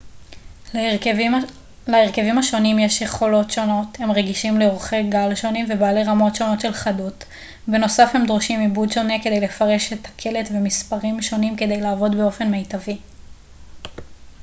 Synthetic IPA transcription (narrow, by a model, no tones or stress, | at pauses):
laeʁke̞vimhaʃo̞nimjeʃjeχo̞lo̞tʃo̞no̞the̞mʁeɡiʃimleoχeɡalʃo̞nimvebaːleʁamo̞tʃo̞no̞tʃe̞lχadut | beno̞safhe̞md̪ʁoʃimibudʃo̞neke̞d̪e̞jle̞faʁe̞ʃetakʰe̞le̞tve̞mispaʁimʃo̞nimke̞d̪e̞jlaːvo̞dbe̞o̞fe̞nmejtavi